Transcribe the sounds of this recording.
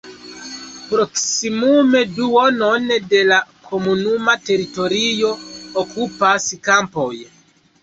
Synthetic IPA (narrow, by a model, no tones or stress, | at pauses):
pɾoksimume̞duonondelakʰomunumate̞ɾitoɾijo̞ːkupaskampoj